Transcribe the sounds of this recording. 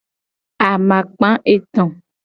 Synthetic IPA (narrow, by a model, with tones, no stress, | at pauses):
a˨mã˨k͡pã˦ʔe˨t̪ɔ̃˨